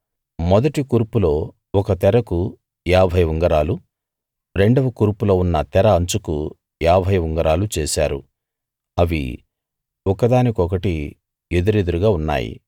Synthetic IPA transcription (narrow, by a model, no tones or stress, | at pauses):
mɔd̪ɐʈikuːɾpulo̞ː | ɔkɐt̪ɛɾɐku | jaːbʱɐjʋuŋɡɐɾaːlu | ɾe̞ɳɖɐʋɐkuːɾpulo̞ːunːɐt̪ɛɾɐɐnt͡ʃukṵ | jaːbʱɐjʋuŋɡɐɾaːlut͡ʃeːsa̰ːɾṵ | ɐʋḭ | ɔkɐd̪aːnikɔkɐʈi | ed̪uɾed̪uɾuɡaːunːa̰ːjḭ